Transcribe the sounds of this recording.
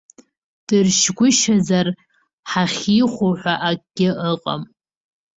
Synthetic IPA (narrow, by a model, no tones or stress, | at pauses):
d̥ɨrʃɡʷʊʃazar | ħaχʲiχʷoħʷaʔakʼɡʲɪʔəqʼa̰m